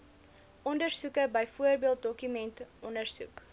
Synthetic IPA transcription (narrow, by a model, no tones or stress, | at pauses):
ʔɔndərsukəbəjfuərbiəlˠt̚dɔkymɛntʔɔndərsṵk